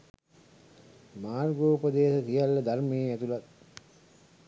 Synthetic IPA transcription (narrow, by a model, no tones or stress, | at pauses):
maːrɡoːpəd̪eːsək̪ijalːəd̪armejːæt̪ulat̪̚